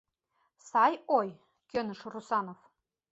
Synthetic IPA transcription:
sɑjoj | kʲønɘ̆ʃrusɑnof

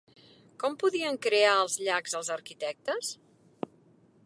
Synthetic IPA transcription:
kɔmpuðiəŋkɾeaəlˠzʎaɡzəlˠzəɾkit̪ɛk̚t̪əs

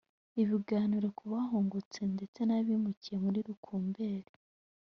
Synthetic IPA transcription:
iβiɡaːniɾekuβaɦoːŋɡot͡se̞nde̞t͡se̞naβiːmucije̞muɾiɾukʰuːmbe̞ːɾe

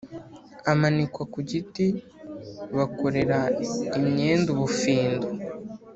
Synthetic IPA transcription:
amanikwakuɟiti | βakoɾe̞ɾaimɲe̞ːnduβufiːndo

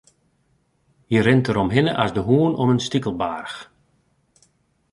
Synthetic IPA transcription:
jərɪntəɾɔmɦɪnəʔasdəɦuənɔmənstikəlˠbarx

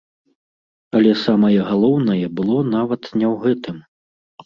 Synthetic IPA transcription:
ɐlʲɛsamɐjɛɣalˠɔwnɐjɛbɨlˠɔnavɐt̪nʲɛwɣɛt̪ɨm

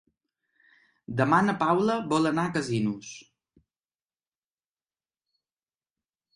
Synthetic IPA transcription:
d̪əmanəpawləβɔlənakəzinus

